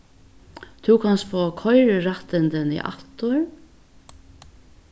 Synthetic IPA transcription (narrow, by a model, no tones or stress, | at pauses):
t̪ʰʉwkʰanst̪foːkʰɔjɹɹaht̪ɪnd̪ɪnḭʔa̰t̪ʊɹ